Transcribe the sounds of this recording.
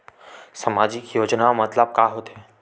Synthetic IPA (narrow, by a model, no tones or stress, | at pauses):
səmad͡ʒikjoːd͡ʒnamət̪ləb̚kaɦot̪ʰe